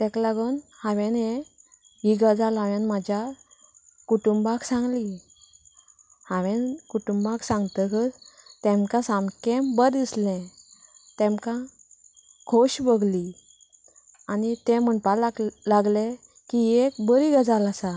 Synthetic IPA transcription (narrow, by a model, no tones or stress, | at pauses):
t̪ɛ̃klaɡunhaʋẽne | ɦiɡad͡zalaʋẽnmad͡ʑja | kuʈumbaksãŋɡli | haʋẽnkuʈumbaksãŋɡt̪əkəɾt̪ẽmkãsãmkẽmbəɾd̪islɛ̃ | t̪ɛ̃mkã | kʰoɕbəɡli | anit̪ẽməɳpallaɡle | kiekbəɾiɡad͡zalasa